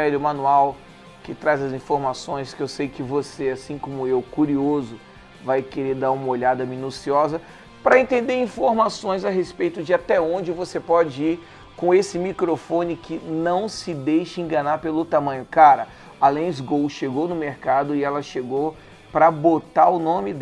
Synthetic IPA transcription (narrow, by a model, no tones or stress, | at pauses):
ɛɾʊmɐ̃nuaw | kɪt̪ɾazɐzĩfoɾmasõj̃skɪewsejkɪvoseasĩkõmʊewkuɾiozʊ | vajkeɾed̪aɾũmɐoʎad̪ɐminusiɔzɐ | pɾɐẽnt̪ẽnd̪eɾĩfoɾmasõj̃zaɦespejt̪ʊd͡ʒɪat̪ɛõd͡ʒɪvosepɔd͡ʒɪiɾ | kõesɪmikɾofõnɪkɪnɐ̃w̃sɪd̪ejʃɐẽŋɡɐnaɾpelʊt̪amɐ̃ɲ̃ʊkaɾɐ | alẽj̃zɡowsʃeɡownʊmeɾkad̪ʊɪɛlɐʃeɡow | pɾɐbot̪aɾʊnõmɪ